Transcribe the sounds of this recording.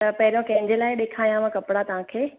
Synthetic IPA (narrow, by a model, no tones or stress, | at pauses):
t̪ɐpɐɦɪɾijõkɐ̃ɦɪ̃ɲd͡ʑelaːɪɗeːkʰaːjãʋãkɐpɽat̪ɐʋ̤ãkʰeː